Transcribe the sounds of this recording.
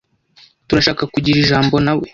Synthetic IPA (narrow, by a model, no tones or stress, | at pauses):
tuɾaʃaːkakuɟiɾiʒaːmbo̞nawe̞